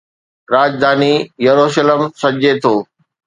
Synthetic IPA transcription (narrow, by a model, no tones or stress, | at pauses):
ɾaːd͡ʑd̪aːnijɐɾoːʃələmsɐd͡ʑet̪ʰoː